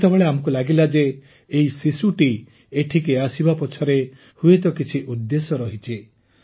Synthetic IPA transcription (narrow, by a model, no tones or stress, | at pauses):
t̪ebeɭeamɔŋkulaɡilad͡ʒeː | isisuʈi | eʈʰikeasibapɔt͡ʃʰɔɾe | huet̪ɔkit͡ʃʰiʔud̪ːesɔɾɔɦit͡ʃʰi